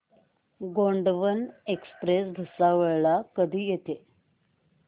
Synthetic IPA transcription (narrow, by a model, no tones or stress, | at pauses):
ɡoɳɖʋənekspɾesɡʱəsaʋəɭɭakəd̪ʱiːjet̪e